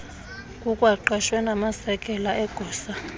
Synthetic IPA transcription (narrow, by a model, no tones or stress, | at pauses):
kʼukʼwaǃɛʃwɛnamasɛkʼɛlaʔɛɡ̥ʱɔːsa